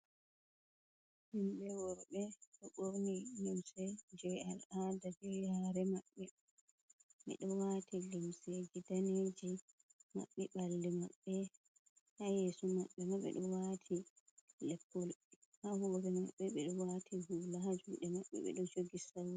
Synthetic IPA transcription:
himɓɛwɔɾɓɛɗɔɓoɾnijimsɛd͡ʒɛjaladad͡ʒɛhaɾɛmaɓːɛ | ɓɛ̰ɗɔwatʰilimsɛɡidaned͡ʒi | ma̰ɓːɛɓalːimaɓːɛ | hajeːsumaɓːɛmaɓɛ̰ɗɔwatʰi | lɛpːɔlhahuɾɛmaɓːɛɓɛɗɔwatʰihulahad͡ʒuɗɛmaɓːɛ̰ɓɛ̰ɗɔd͡ʒoɡisawɔ

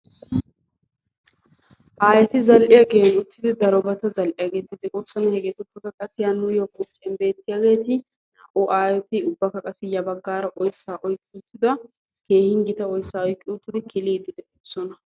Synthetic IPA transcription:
ʔaːjɛt̪ɪzɐlʔɪjaɡeːnʊt̪ːɪd̪ɪd̪ɐɾɔbɐt̪ɐzɐlʔɪjaːɡe̞ːt̪ɪd̪ɛʔɔsːɔnɐhɛɡɛt̪ʊpːɐt̪ɐkʼɐsɪjanːʊjɔkʼʊt͡ʃʼːɛnbe̞ːt̪ːɪjaːɡe̞ːt̪ɪ | nɐʔʊʔaːjɔt̪ɪʊbːɐkɐkʼɐsɪjɐbɐɡːaːɾɐʔɔjsːaːʔɔjkʼːɪʊt̪ːɪd̪ɐ | ke̞ːhɪŋɡɪt̪ɐɔjsːaːɔjkʼːɪʊt̪ːɪd̪ɪkɪliːd̪ɪd̪ɛʔɔsɔnɐ

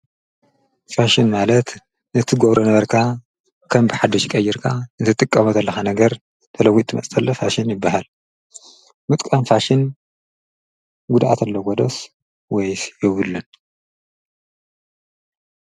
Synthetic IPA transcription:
faʃɪnmalɐt̪ | nɨt̪ʰɨɡoβɾʔonɐβɐɾkʰa | kʰɐmbɨħad̪ɐʃkʼɐjːɪɾkʰanɨt̪ʰɨt̪ʼɨkʼːɐmɐt̪ʰɐlːɐxanɐɡɐɾ | t̪ʰɐlɐwːit̪ʰɨmɐ̰sʼʰɐlːɐfaʃɪnjɪbːaɦal | mɨt̪ʼkʼɐmfaʃɪn | ɡud̪ʔa̰t̪ʰɐlːɐɡod̪ɐs | wɔjsjɛwɨlːɨn

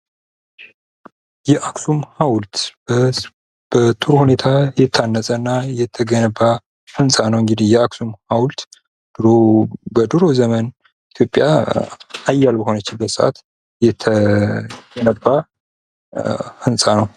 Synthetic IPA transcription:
jɛʔaksumhawlt̪ | b̥ət̪ʼuɾhune̞t̪ʰajɛt̪ʰːanːəsʼənːajɛt̪ʰːəɡənəbːa | hɨnsʼanəwɨŋɡɨd̪ihjɛaksumhawlt̪ | d̪̥ɾobəd̪ɨɾo̞zəmən | it̪ʰjo̞pʼja | ajːalbəho̞nət͡ʃːɪbət̪səʔa̰t̪ | jɛt̪ʰːə | ɡənəbːa | hɨnsʼanəw

